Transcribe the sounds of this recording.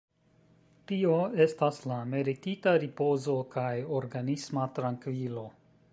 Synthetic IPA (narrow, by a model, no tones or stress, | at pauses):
tio̞e̞staslameɾititaɾipo̞zo̞kʰajo̞ɾɡanismatɾaŋkvilo̞